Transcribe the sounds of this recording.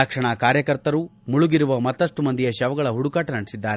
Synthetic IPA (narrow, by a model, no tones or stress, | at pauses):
ɐkʂɐɳɐkaːɾjɐkɐɾt̪ɐɾumuɭuɡiɾuʋɐmɐt̪ːɐʂʈumɐnd̪ijɐʃɛʋɐɡɐɭɐɦuɽukaːʈɐnɐɽisid̪ːaːɾe